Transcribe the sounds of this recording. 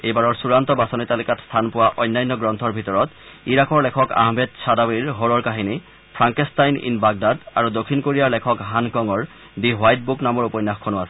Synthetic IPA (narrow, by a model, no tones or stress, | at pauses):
ejbaɹɔɹsuɹant̪ɔbasɔnitalikatst̪ʰanpʊwaʔɔjnːajnːɔɡɹɔnt̪ʰɔɹbʱitɔɹɔtiɹakɔɹlɛkʰɔka̰ɦmɛdsadawiɹɦoɹɔɹkaɦini | pʰɹaŋkɛstajnḭnbaɡ̚dada̰ɹudokʰːinkoɹijaɹlɛkʰɔkɦankɔŋɔɹ | biɦwajt̚buknamɔɹupɔjnːaxkʰonʊasɛ̥